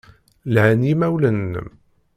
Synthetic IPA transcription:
lʕænimæwlənːə̰m

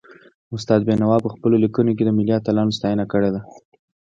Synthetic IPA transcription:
ʊs̬t̪ɑd̪̚benawɑpəxpəlolikunok̬ed̪əmɪliɑt̪alɑnost̪ɑjənakəɽed̪a

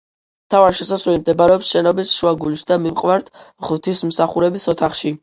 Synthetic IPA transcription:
mt̪ʰavaɾʃɛsaswɛlimd̪ɛbaɾɛɔpsʃɛnɔbisʃuaɡuliʃd̪amivqʼvaɾt̪ʰʁvt̪ʰismsaχuɾɛbisɔt̪ʰaχʃi

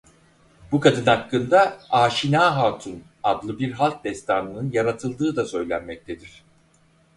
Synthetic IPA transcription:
bukad̪ɯnakːɯnd̪aaːʃinaːɦaːt̪ʰun | ad̪lˠɯbiɾɦalˠk̚d̪ɛst̪ʰanɯnɯnjaɾat̪ʰɯlˠd̪ɯːd̪asø̞jlʲænmɛc̚t̪ʰe̞d̪iɾ̝̥

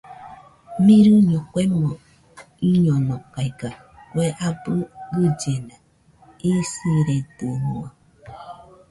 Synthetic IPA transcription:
mĩɾɨɲõkʷemõ | iɲõnõkaiɡa | kweʔabɨɡɨd͡ʒenã | isiɾed̪ɨnũa

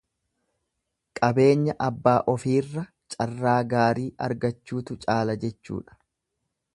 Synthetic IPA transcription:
kʼɐbe̞ːɲːɐʔɐbːaːʔɔfiːrːɐ | t͡ʃʼɐrːaːɡaːɾiːʔɐ̰ɾɡɐt͡ʃːuːt̪ʊt͡ʃʼaːlɐd͡ʒɛt͡ʃːṵːᶑɐ̥

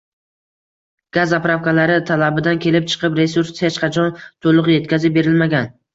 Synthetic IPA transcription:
ɡ̥azapɾafkalaɾɪt̪ʰalabɪd̪ankʲʰe̞lɪp̚t͡ʃʰɨ̥qʰɨpɾe̞suɾshet͡ʃqʰɑt͡ʃʰɒnt̪ʰolˠʊqje̞t̪̚kʲazɪp̚be̞ɾɪlmaɡʲan

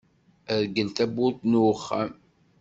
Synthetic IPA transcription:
æðɡəlt̪æbʊɾt̪nuχːam

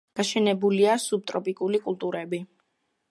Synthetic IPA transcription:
ɡ̥aʃɛnɛbuliasub̚t̪ʼɾɔpʼikʼulikʼulˠt̪ʼuɾɛbi

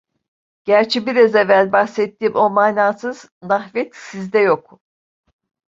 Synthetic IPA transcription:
ɟ̥æɾt͡ʃʰibiɾazevælʲbaxset̪ːiːmo̞maːnaːsɯz̥ | naxvɛt̪sizd̪ɛjo̞k

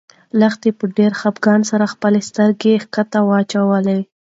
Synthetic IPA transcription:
ləxt̪epəɖeɾxapɡɑnsaɾaxpəlest̪əɾɡexkat̪awɑt͡ʃawəle

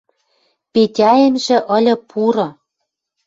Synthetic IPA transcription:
petʲɑjemʒĕʔɤ̆lʲɤ̆pʰuɾɤ̆

